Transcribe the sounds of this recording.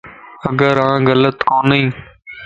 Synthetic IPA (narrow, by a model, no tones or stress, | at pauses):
əɡəɾãːɣələt̪koːnĩː